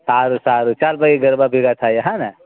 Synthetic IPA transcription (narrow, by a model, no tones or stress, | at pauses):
saːɾusaːɾut͡ʃaːlbaiɡɐɾbabʱiɡat̪ʰajaɦãna